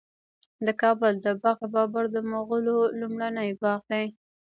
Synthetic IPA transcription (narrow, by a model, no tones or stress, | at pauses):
d̪əkɑbʊld̪əbɑɣebɑbaɾd̪əmʊɣəlolumɽanajbɑɣd̪aj